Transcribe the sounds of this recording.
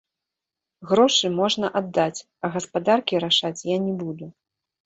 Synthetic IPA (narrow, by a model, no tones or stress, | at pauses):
ɣɾɔʂɨmɔʐnɐʔad̪ːat͡sʲ | ɐɣɐspad̪arkʲiɾaʂat͡sʲjanʲɛbud̪u